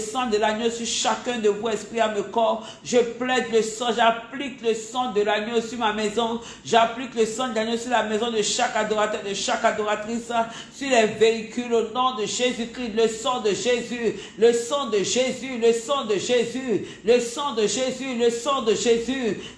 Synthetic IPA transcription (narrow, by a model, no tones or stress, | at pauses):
sɑ̃d̪əlanjosyʁʃakɛ̃d̪əvuɛspʁiaməkɔʁ | ʒəplɛd̪ləsɑ̃ʒaplikləsɑ̃d̪əlanjosyʁmamɛzɔ̃ | ʒaplikləsɑ̃d̪əlanjosyʁlamɛzɔ̃d̪əʃakad̪ɔʁat̪œʁd̪əʃakad̪ɔʁat̪χis | syʁlɛveikylonɔ̃d̪əʒezykʁiləsɑ̃d̪əʒezy | ləsɑ̃d̪əʒezyləsɑ̃d̪əʒezy | ləsɑ̃d̪əʒezyləsɑ̃d̪əʒezy